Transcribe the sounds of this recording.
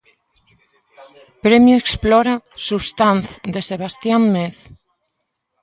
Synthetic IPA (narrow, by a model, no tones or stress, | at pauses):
pɾemjueksploɾasuβst̪anθd̪eseβ̞ast̪jamːeθ